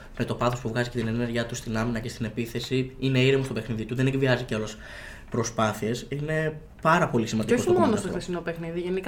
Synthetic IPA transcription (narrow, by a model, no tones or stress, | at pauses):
me̞t̪o̞pɐθo̞spuvɣɐzicet̪inene̞ɾʝɐt̪ust̪inɐminɐce̞st̪ine̞piθe̞siine̞iɾimost̪o̞pexniðit̪uðe̞nekviɐziceɐlos | pɾo̞spɐθiesine̞ | pɐɾɐpo̞lisimɐnd̪eooiomo̞nost̪oxɾisino̞pe̞xniðiʝe̞nik